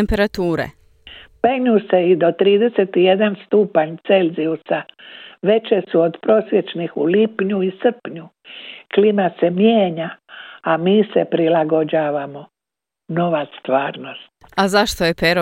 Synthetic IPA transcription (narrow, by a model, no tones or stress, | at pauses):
mpeɾat̪uːɾḛ | peɡɲuseid̪o̞t̪ɾiːd̪e̞set̪ije̞d̪anst̪uːpaɲt̪se̞lʲziusaʋe̞t͡ʃesuod̪pɾo̞ːsʋjet͡ʃnixṵlipɲuisɨr̩pɲu | klimasemjeːɲaamiːsepɾilaɡo̞d͡ʒaːʋamo | no̞ʋast̪ʋaːɾno̞st̪azaʃt̪ojepeɾo